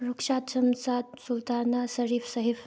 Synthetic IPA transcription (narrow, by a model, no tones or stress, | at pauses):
ɾukʂaːt̪sɐmsad̪sult̪anasɐɾifsɐɦif